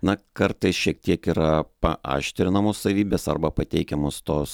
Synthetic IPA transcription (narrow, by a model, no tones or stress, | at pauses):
nɐkɐɾt̪ɐɪsʃʲiɛk̚t̪ʲiɛkiːɾɐpɐʔɑ̰ːʃʲt̪ʲɾʲɪnɐmoːssɐʋʲiːbʲeːsɐrbɐpɐt̪ʲɛɪkʲɛmoːst̪oːs